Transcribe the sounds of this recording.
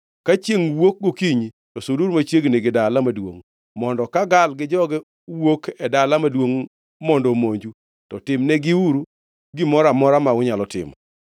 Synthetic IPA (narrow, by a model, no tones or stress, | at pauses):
kat͡ʃjeŋwok̚ɡokiɲi | tɔsoduɾmat͡ʃjeɡneɡɪdalamadwo̰ŋ | mɔndɔkaɡalɡɪd͡ʒɔɡɛ | wokʰɛdalamadwoŋ | mɔndɔmoɲd͡ʒu | tɔtɪmnɛɡɪuɾu | ɡɪmɔɾamɔɾamaʊɲalɔtɪ̰m